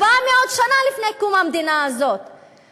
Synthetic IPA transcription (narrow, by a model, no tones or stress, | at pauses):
vameod̪ʃanalifnekumamd̪inaːzot̪